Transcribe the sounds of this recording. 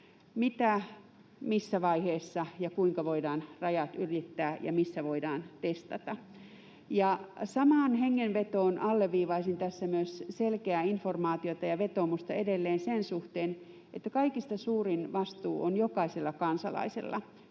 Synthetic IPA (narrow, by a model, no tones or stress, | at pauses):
mit̪æ | misːæʋɑiheːsːɑjɑkuiŋkɑʋoidɑːnrɑjɑt̪yrit̪ːæːjɑ̰misːæʋoidɑːnt̪est̪ɑt̪ɑ | jɑsɑmɑːnheŋːenʋet̪oːnʔɑlːeʋʋiːʋɑisint̪æsːæmyøsselkeæːinformɑːt̪iot̪ɑjɑʋet̪omust̪ɑedelːeːnsensuht̪eːn | ʔet̪ːækɑikist̪ɑsuːrinʋɑst̪uːʔonjokɑiselːɑkɑnsɑ̰lɑ̰isḛlːɑ̰